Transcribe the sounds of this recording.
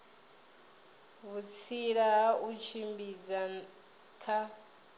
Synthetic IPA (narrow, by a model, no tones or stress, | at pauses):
βut͡sʰiɺaɦaʔut͡ʃʰimbid͡za | kʰa